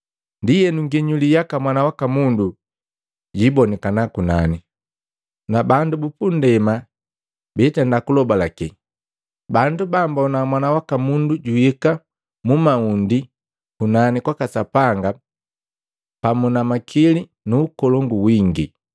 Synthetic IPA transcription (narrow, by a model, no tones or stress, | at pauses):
ndijɛnuŋɡɛɲulijakamwanawakamundu | ɟibɔnikanakunani | nabandubupundɛma | bɛtɛndakulɔbalaki | bandubambaɔnamwanawakamunduɟuhika | mumaundi | kunanikwakasapaŋɡa | pamunamakʰili | nuːkɔlɔŋɡuwiŋɡḭ